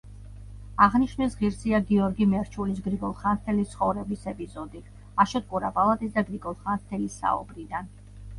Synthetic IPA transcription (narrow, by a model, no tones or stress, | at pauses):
aʁniʃnɛsʁiɾsiaɡiɔɾɡimɛɾt͡ʃʰulisɡɾiɡɔlˠχanɾt̪ʰɛlit̪sʰχɔvɾɛbisɛpʼizɔd̪i | aʃɔt̪̚kʼuɾapʼalˠat̪ʼisd̪aɡɾiɡɔlˠχant̪ʰɛlisa̰ṵbɾid̪an